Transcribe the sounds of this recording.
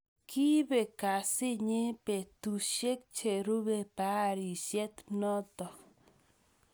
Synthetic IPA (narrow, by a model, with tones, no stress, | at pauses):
kʰi˦be˨ka˨si˦ɲe˦pe˨t̪u˨ʃe˦k̚t͡ʃe˨ɾu˦be˧pa˦ɾi˨sje˦t̪no˦t̪o˨